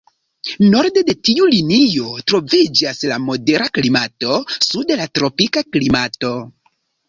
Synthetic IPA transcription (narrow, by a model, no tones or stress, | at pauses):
noɾde̞de̞tiulinijo̞tɾo̞vid͡ʒaslamo̞de̞ɾaklimato̞sudelatɾo̞pikaklimato̞